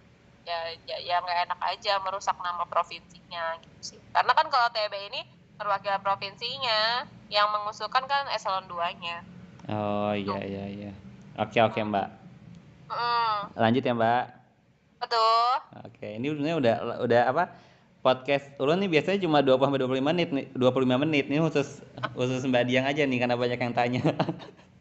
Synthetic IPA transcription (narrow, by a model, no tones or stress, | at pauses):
jajajaŋɡaenaka̰d͡ʒaməɾusak̚namapɾofinsiɲaɡit̪u̥sɪhkarənakankalat̪ebeini | məɾwakilpɾofinsiɲajaŋməŋusukankanesalɔnduaɲaɔijaḭjaijaʔo̰keokemba̰ʔ̩ | laɲd͡ʒʊt̪̚jaŋbaʔ | bət̪ʊo̰kʰeiniɲaudahl̰udahapa | pɔt̪̚kɛsulʊnɪbiasaɲat͡ʃumaduapulhambat̪̚duap̬ulimanɪt̪̚nɪduap̬uluimamənɪt̪̚ninihusʊshusʊs̬mbadiaŋad͡ʒanɪhkarnabaɲakjaŋt̪aɲa